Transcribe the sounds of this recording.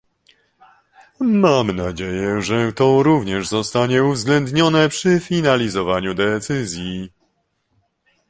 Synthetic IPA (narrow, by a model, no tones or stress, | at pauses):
mamnad͡ʑejɛʐɛt̪ɔɾuvɲɛʐzɔst̪aɲɛuvzɡlɛnd̪ɲɔnɛpʂɘfʲinalʲizɔvaɲud̪ɛt̪sɘzʲji